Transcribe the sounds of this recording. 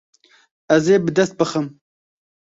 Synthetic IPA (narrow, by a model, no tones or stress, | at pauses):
ɐzeːbɨd̪ɐst̪̚bɨxɨm